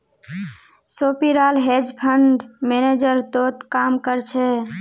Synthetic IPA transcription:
sopiɾalɦed͡ʒpʰəɳɖmened͡ʒəɾt̪ot̪kamkəɾt͡ʃʰɛ

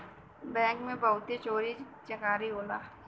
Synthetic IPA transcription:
bɛ̃ːŋkmẽbɐʊt̪et͡ʃoːɾi | t͡ʃɐkaːɾiɦoːlaː

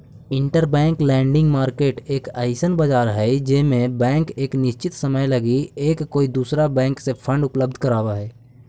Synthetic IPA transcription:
ɪ̃ɳʈəɾbɛ̃ːŋklɛ̃ːɳɖɪ̃ŋɡmaːɾkeːʈeːkaːɪsənbəd͡ʒaːɾɦɛd͡ʒɪsmẽbɛ̃ːŋkeːknɪʃt͡ʃɪt̪səməjləɡieːkːoːid̪uːsɾabɛ̃ːŋksepʰə̃ɳɖʊpləb̚d̪ʱkəɾaːwaɦɛː

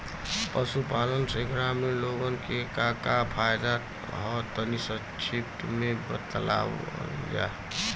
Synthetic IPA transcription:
pəsupalənseɡɾamenloɡənkekakapʰajd̪a | ɦɔt̪ənisə | t͡ʃʰip̚t̪ʰmebət̪la̰ | d͡ʒa̰

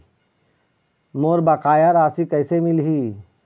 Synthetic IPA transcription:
moːɾbɐkaːjaɾaːsikɐːsemɪlɦiː

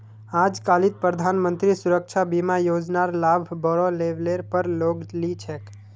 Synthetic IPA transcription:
ad͡ʒkalit̪̚pɾəd̪ʱanmənt̪ɾisuɾəkʃʰabimajod͡ʒnaɾlabʱbɔɾoleʋleɾpəɾloɡlit͡ʃʰɛk

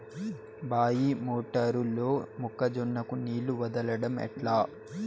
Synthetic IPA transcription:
baːjimoːʈɐɾulːo̞ːmukːɐd͡ʒɔnːɐkuniːluʋɐd̪ɐlɐɽɐmɛ̰ʈlaː

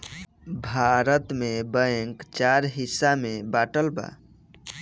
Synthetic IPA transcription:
bʱaɾət̪mebəŋkt͡ʃaɾɦisamebaʈəlba̰

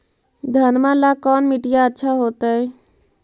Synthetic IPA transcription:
d̪ʱənmalakɔnmiʈijaətːʃʰaɦot̪əj

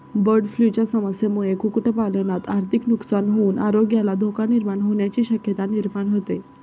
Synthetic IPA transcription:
bəɾɖflut͡ɕjasəməsjemuɭekukʈəpalənat̪aɾt̪ʰiknuksanɦouːnʔaɾoɡjalad̪ʱokaniɾmaɳɦoɳjat͡ɕiːɕəkjət̪aniɾmaɳɦot̪e

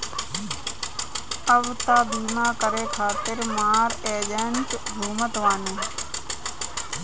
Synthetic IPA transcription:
əʋt̪aːd̪iːnãːkəɾeːkʰaːt̪ɪɾmaːɾeːd͡ʒaːnt͡ʃɡ̪ʱuːmət̪ʋaːneː

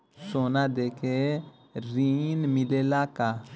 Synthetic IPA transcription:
sonad̪eke | ɾinmilelaka

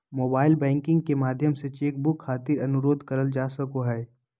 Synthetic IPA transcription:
moːbaːɪlbɛ̃ːŋkɪ̃ŋɡkemaːd̪ʱjəmset͡ʃeːk̚bʊkʰːaːt̪ɪɾɐnʊɾoːd̪ʱkəɾəld͡ʒaːsɐkoɦɛː

